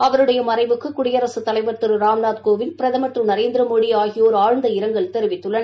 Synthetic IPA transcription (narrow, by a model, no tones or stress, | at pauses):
ɐʋɐɾɯɽɐjɐmɐɾɐɪʋɯkːɯkːʊɽɪjɐɾɐsɯt̪ːɐlɐɪʋɐɾt̪ɯɾɯɾaːmnaːt̪̚koːʋɪnpɪɾɐðɐmɐʈ̪rɯnɐɾeːnd̪ɪɾɐmoːɽijaːɣɪjoːɾaːɻnd̪ɐɪɾɐŋɡɐɭt̪ɛɾɯʋɪt̪ːɯɭːɐnɐ